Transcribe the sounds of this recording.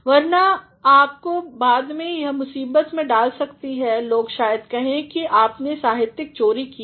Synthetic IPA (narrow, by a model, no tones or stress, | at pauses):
ʋɐɾna | aːp̚kobaːd̪mẽjɐɦmʊsiːbət̪mẽɖaːlsɐkt̪iɦɛloːɡʃaːjəd̪kɐɦẽkiʔaːpnesaːɦɪt̪jɪk̚t͡ʃoːɾiki